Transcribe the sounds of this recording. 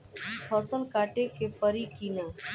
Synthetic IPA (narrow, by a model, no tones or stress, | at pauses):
pʰɔsəlkaʈekepəɾikinə